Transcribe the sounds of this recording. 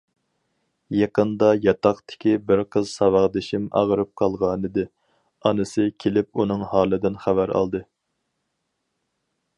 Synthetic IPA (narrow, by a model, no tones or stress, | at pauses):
jɑqənd̪ɑjɑt̪ʰɑχt̪ʰɪ̥kʲibɪɾqʰəzsɑwɑʁd̪ɪʃimɑ̰ʁəɾɨp̚qʰɑlˠʁɑnɨd̪ɨ | ɑnɨsɨkʲʰelɪpunɨŋhɑːlˠɨd̪ɪnχævæɾɑ̰lˠd̪ɨ